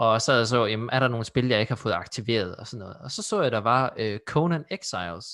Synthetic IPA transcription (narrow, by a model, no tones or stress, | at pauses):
ɒ̽sɛ̰ðˠjɑs̬ɒjemæɐɾɑ̈no̝ːn̩sb̥e̝ljɑ̈ɪe̝ɡ̥hɑ̈fɔ̽ːð̩ˠɑ̈ɡ̥̚t͡sʰiʋe̝̰ːɐð̞̩ˠɒ̽sɒ̽nːɔ̽ːð̩ˠɒ̽sɒ̽sɔ̰ːjɑ̈d̥ɑ̈ʋɑ̈økʰoʊnæneɡ̥sɑɪls